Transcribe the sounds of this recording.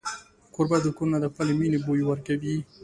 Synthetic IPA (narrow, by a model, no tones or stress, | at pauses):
qoɾbad̪əkuɾunad̪əxpəleminebojowəɾkawi